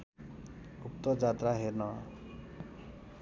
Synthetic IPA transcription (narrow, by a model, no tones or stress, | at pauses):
up̚t̪ʌd͡zat̪raɦernʌ